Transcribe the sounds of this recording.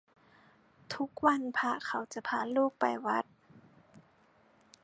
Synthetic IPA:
t̪ʰu˦˥k̚wa˧˥˨npʰa˧kʰa˨˩wt͡ɕa˧˩pʰaː˧˩luː˥˩k̚pa˨˩jwa˦˥t̪̚

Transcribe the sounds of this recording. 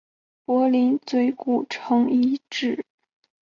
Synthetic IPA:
pwɔ˧˥li˧˥nt͡swe˧˥ɪku˨˩ʈ͡ʂʰɤ˧˥ŋi˧˥ʈ͡ʂɻ̩˥˩

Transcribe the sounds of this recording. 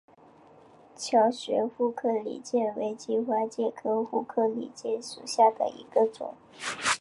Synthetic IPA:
t͡ɕʰjɑ˧˥ʊɕɥɛ̰˧˥fu˥˧kʰɤ˥˩lḭ˨˩t͡ɕjɛ˥˩we˧˥ɪt͡ɕi˧˥xwa˧˥t͡ɕjɛ˥˩kʰɤ˧˥xu˥˧kʰɤ˥˩lḭ˨˩t͡ɕjɛ˥˩ʂṵ˨˩ɕja˥˩d̪ə̰˩ḭ˧˥ɡ̥ə˧t͡swʊ̰˨˩˦

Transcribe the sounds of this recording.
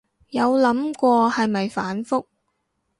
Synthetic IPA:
jɐ˨˧wlɐ˨˥mkʷɔː˧hɐ˨jmɐ˨jfaː˨˥nfʊ˥k̚

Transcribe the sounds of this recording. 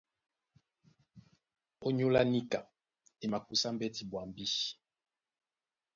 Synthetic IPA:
o˦ɲu˦la˦ni˦ka˨ | e˨ma˨ku˦sa˦m̩˦bɛ˦ti˨bwa˨mbi˦

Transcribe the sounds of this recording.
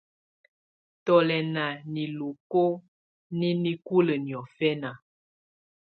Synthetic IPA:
tɔ˨lɛ˨na˨ni˨lu˨ko˦ | ni˦ni˦ku˦lə˨njɔ˨fɛ˦na˨

